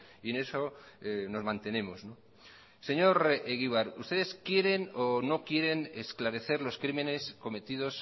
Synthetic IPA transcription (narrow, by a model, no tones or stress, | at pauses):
iene̞soeno̞zmãnt̪e̞nẽ̞mozno | se̞ɲo̞ɾeɣiβ̞aɾust̪eðeskje̞ɾe̞nono̞kje̞ɾe̞nesklaɾe̞θe̞ɾlo̞skɾime̞ne̞sko̞me̞t̪ið̞o̞s